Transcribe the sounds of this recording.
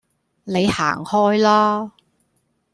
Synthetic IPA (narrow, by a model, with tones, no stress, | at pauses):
ne˨˧jha̰ː˨˩ŋhɔː˥jlaː˥